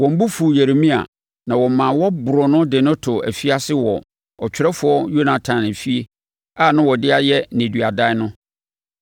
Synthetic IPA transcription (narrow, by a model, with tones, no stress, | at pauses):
wɔ̃˨m̩˦bu˦fu˨jæ˨ɾe˨mĩ˦a̰˨ | nã˨wɔ˨mã˨wɔ˦bʊ˨ɾɔ˨nʊ̃˦dɪ˨nʊ̃˦tʰʊ˨æ̰˨fi˦a˦sɪ˦wɔ˨ | ɔ˨t͡ɕᶣɪ˦ɾɛ˦fʊ˨˦ɔ˦jo˦nã˨tʰã˨nɪ̃˨fi˦e˦ | a˦˨nã˦wɔ˨dɪ˦a˦jɛ˦nɪ̃˨dɥa˨da˦nʊ̃˦